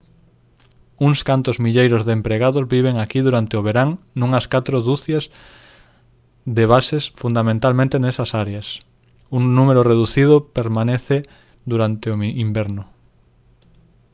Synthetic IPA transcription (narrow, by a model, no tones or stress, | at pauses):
uŋskant̪ʊzmiʎejɾʊzðempɾeɣaðʊzβiβ̞eŋakiðuɾant̪eoβ̞eɾaŋ | nũŋɐskat̪ɾoðuθjɐz | ðeβasesfund̪amẽnt̪almẽnt̪enesɐsaɾeɐs | uŋnumeɾoreðuθið̞ʊpeɾmaneθe | d̪uɾant̪eoimbɛɾnʊ